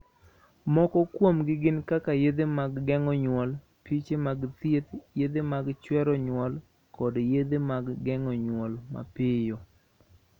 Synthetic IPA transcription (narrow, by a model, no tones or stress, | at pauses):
mɔkɔkwomɡɪɡɪnkakajed̪emaɡːɛŋɔɲwɔl | pit͡ʃemaɡt̪jet̪jed̪emaɡt͡ʃwɛɾɔɲwɔl | kɔdjed̪emaɡːɛŋɔɲwɔlma̰pɪjo